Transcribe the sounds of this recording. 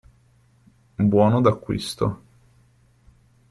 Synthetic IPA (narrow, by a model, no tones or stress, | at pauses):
bwɔːnod̪akːwḭst̪o̰